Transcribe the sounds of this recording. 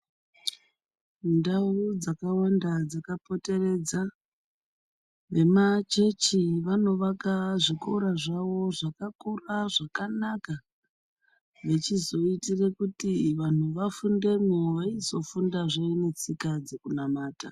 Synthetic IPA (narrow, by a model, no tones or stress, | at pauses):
ndaud͡zakawandad͡zakapo̞te̞re̞d͡za | ʋe̞mat͡ʃe̞t͡ʃiʋano̞ʋakaʐikoɾaʐaʋo̞ʐakakuraʐakanaka | ʋe̞t͡ʃizo̞itire̞kutiʋan̤uʋafunde̞moʋaizo̞fundaʐeinet͡sikad͡zekunamaːta̰